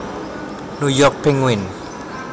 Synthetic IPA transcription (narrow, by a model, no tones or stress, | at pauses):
nujɔk̚pʰiŋwin